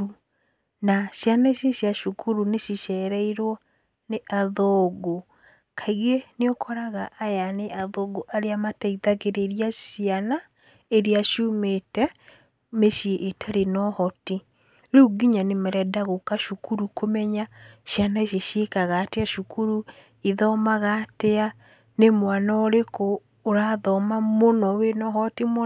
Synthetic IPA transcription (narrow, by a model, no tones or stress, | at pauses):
u | naʃjanaeɕjeʃjaʃukʰuɾuneʃiʃɛɾɛiɾwɔ | neʔaðɔɡo | kʰaiɣeneokʰɔɾaɣaʔːjaneʔaðɔɡoʔaɾeamatɛiðaɣeɾeɾiaʃiana | eɾeaʃjumetɛ | meʃieʔːtʰaɾenɔhɔti | ɾuɡiɲanemaɾɛdaɣokaʃukuɾukomɛɲaʃjanaeʃ̬eʃiekaɣaːteaʃukuɾu | iðɔmaɣatea | nemwanaoɾekoː | ɾaðɔmamonɔwenɔhɔtim